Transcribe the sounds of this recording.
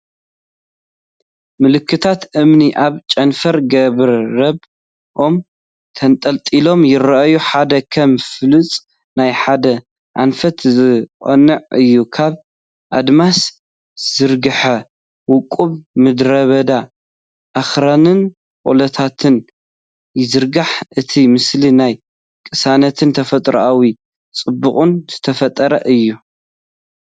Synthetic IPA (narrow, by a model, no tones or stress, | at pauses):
mɨlɨkʰːɨt̪ʰat̪ʔɨmniʔaβt͡ʃʼɐnfɐɾɡɐβɾːɐb | ʔo̞m | t̪ʰɐnt̪ʼɐlt̪ʼilo̞mjɪɾɐʔajuħad̪ɐkʰɐmfɨlɨt͡sʼ | najħad̪ɐ | ʔa̰nfɐt̪zɨqʼɐ̰nɨʕɨjːukʰaβ | ʔad̪mas | z̥ɨɾɡɨħɐ | wʊkʼːuβmɨd̪ɾɐβɐd̪a | ʔaxɾanɨn | kʼo̰lɐt̪ʰat̪ʰɨn | jɪzɨɾɡaħʔɨt̪ʰimɨslinaj | kʼɨsanɐt̪ʰɨnt̪ʰɐfɐt̪ʼɾʔawi | t͡sʼɨbːuχʼunz̥ɨt̪ʰɐfɐt̪ʼːɐɾɐ̰ʔɨjːu